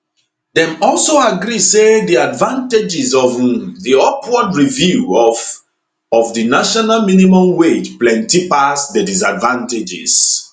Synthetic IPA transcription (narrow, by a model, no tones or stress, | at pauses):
ðɛ̃mɔlˠsoaɡɹiseðiadvãnted͡ʒizɔvðiɔpʰwɔdɹivju | ɔvðɨnaʃɔnalminimɔ̃mwed͡ʒplɛ̃ntipasdədis̬advãnted͡ʒɪ̰s